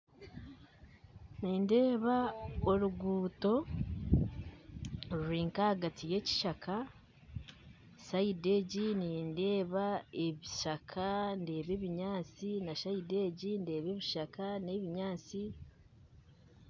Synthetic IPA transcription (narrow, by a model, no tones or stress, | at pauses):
niːnde̞ːβaoɾuɡuːto̞ | ɾɾiːŋkahaɡatije̞ːci̥ʃakʰa | saide̞ɟiniːnde̞ːβae̞βiʃakʰande̞ːβe̞ːβiɲaːt͡sinaʃaide̞ɟinde̞ːβe̞ːβiʃakane̞βiɲaːt͡si